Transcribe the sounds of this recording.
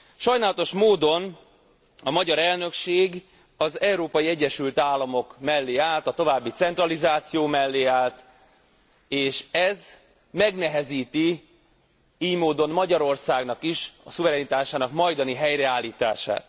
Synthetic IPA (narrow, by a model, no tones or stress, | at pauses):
ʃɒjnaːlɒt̪o̞ʃmoːd̪o̞n | ɒmɒɟɒɾɛlnø̞kʃeːɡ | ɒzɛwɾoːpɒjiɛɟːɛʃylt̪aːlːɒmo̞kmɛlːeːaːlt̪ɒt̪o̞vaːbːit̪sɛnt̪rɒlizaːt̪sijoːmɛlːeːaːlt̪ | eːʃɛz | mɛɡnɛɦɛziːt̪i | iːjmoːd̪o̞nmɒɟɒɾo̞rsaːɡnɒkiʃɒsuvɛɾɛnit̪aːʃaːnɒkmɒjd̪ɒniɦɛjɾɛaːlːiːt̪a̰ːʃa̰ːt̪